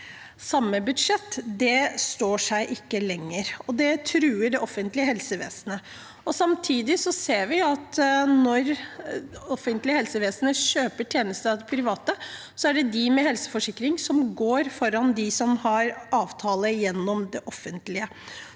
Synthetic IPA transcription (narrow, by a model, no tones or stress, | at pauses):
sɑmːəbʉd̪ʂɛt̪ːd̪ɛst̪oːʂæɪʔɪkːəlɛŋːəɾɔd̪ɛt̪ʰɾʉːəɖɛʔɔfənt̪lɪəɦɛlsəʋḛːsənə | ɔsɑmt̪ʰiːd̪ɪsɔseːɾʋɪɑt̪nɔɾ | ɔfːənt̪lɪəhɛlsəʋeːsənəɕøːpəʈʰjeːnəst̪əɑd̪ɛpʰɾɪʋɑːt̪ə | sɔæɖɛd̪ɪmɛhɛlsə̥fɔʂɪkːɾɪŋsɔmɡoːɾfɔɾɑnd̪ɪsɔmhɑɾɑːʋt̪ʰɑːləjɛnːɔmd̪ɛʔɔfːənt̪lɪə